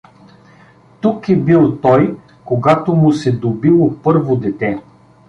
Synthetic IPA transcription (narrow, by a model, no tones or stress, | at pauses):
t̪ukɛbilˠt̪ɔj | koɡat̪omʊsɛd̪obilˠopɤɾvod̪ɛt̪ɛ